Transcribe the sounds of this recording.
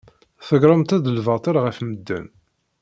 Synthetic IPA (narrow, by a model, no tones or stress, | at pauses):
θəɡɾˤəmt̪æðəlvɑt̪ˤəɾʁəfməd̪ːæ̰n